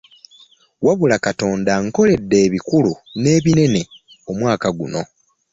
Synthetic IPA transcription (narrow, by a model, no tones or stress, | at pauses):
waβulakato̞ːndaŋko̞le̞dːe̞ːβikulune̞ːβine̞ne̞ | o̞mwaːkaɡuno̞